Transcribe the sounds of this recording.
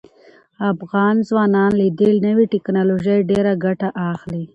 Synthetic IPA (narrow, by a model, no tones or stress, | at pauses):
afɣɑnzwɑnɑnlid̪əlnəwiʈɪknɑloʒəjɖeɾaɡaʈaʔaxli